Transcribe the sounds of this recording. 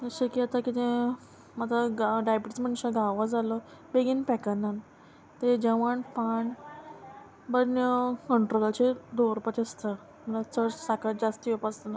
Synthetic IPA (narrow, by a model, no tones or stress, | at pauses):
əɕekiat̪akit̪ẽ | mat̪aɡɖajbʈit͡sm̤əɳɕeɡaʋad͡zalɔ | beɡinpɛkanan | t̪ed͡ʑəʋaɳpaɳ | bənjəkəɳʈɾolat͡ɕed̪oɾpat̪ist̪ə | məlat͡səɾsakad͡zast̪iɔpast̪əna